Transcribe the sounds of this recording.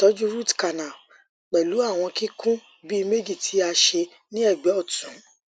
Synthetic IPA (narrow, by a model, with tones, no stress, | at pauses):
tɔ˨˦d͡ʒu˦ɾu˦tka˨nã˨ | k͡pɛ˨lu˨˦a˦˨w̃ɔ̃˧ki˦kʰũ˦ | bi˦i˧me˦d͡ʒi˦˨tʰi˨˦a˧ʃe˧ | nĩ˦ɛ˦˨ɡ͡bɛ˨˦ɔ˦˨tũ˨˦